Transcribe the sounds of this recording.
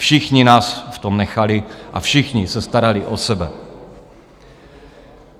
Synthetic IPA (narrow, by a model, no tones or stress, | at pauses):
fʃɪxɲɪnaːsft̪omnɛxalɪʔa̰fʃɪxɲɪsɛst̪aɾalɪʔosɛbɛ